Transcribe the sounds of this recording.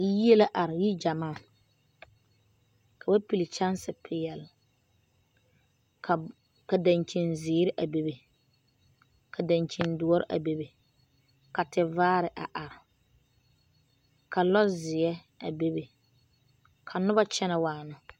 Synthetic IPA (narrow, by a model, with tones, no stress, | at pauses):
ji˦e˦la˦ʔa˨ɾɪ˨ji˦d͡ʒa˨maː˦˨ | kʰa˨ba˦pi˨lɪ˨t͡ʃa˦nsɪ˨pʰɪ˨jɛ˨l | ka˨da˨nt͡ʃi˨nzɪː˨˦ɾɪ˦ʔa˨be˦be˨ | kʰa˨da˨nt͡ʃi˨ndʊ˨˦ɔ˦ɾɪ̰˦ʔa̰˨be˦be˨ | ka˨tɪ˨vaː˦ɾɪ˨ʔa̰˨ʔa˨ɾɪ˨ | ka˨lɔ˦zɪ˨ɛ˦ | a̰˨be˦be˨ | kʰa˨nʊ˦ba˦t͡ʃɛ˦na˨waː˨nʊ˦